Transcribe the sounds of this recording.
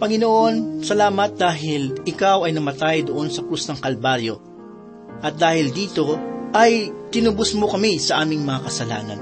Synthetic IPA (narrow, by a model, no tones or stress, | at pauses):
pɐŋɪnoʔo̞nsɐlaːmɐt̪̚d̪aːɦɪlʔɪkawɐjnɐmɐt̪ajd̪oʔo̞nsɐkɾusnɐŋkɐlbaɾjo̞ | ʔɐt̪̚d̪aːhɪld̪iːt̪o̞ʔɐjt̪ɪnʊbʊsmo̞kɐmisɐʔaːmɪŋmɐŋakɐsɐla̰ːnɐ̰n